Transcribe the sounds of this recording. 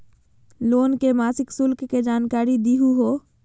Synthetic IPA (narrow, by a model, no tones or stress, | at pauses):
loːnkemaːsɪksʊlkːed͡ʒaːnkaːɾid̪iɦuɦo